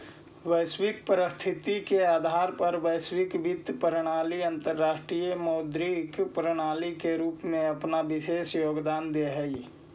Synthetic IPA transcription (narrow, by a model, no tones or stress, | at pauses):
ʋəɪswɪk̚pɾəst̪ʰɪt̪ikeaːd̪ʱaːɾpɐɾʋəɪswɪkʋɪd̪ʱpɾɽ̃aːliə̃nt̪əɾːaːʃʈɾijəmɔːd̪ɾikpɾəɽ̃aːlikeɾuːpmẽɐpnaʋɪʃeːsjoːɡd̪aːnd̪eɦəi